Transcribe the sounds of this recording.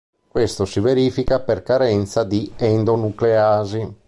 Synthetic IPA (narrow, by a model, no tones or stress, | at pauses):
kwest̪osiveɾiːfikaperkaɾɛnt̪sad̪iɛnd̪onukleaːzi